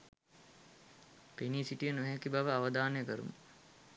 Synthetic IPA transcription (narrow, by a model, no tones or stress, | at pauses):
peniːsiʈijənuɦækibaʋəaʋəd̪aːnəjəkəɾṵmə